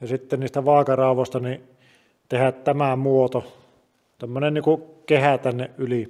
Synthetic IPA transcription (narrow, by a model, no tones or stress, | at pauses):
jɑsit̪ːenniːst̪æʋɑˑekɑrɑˑoʋost̪ɑni | t̪ehætt̪æmæmuot̪o | t̪æmːønenniːŋkukehæt̪ænːeʔʔyli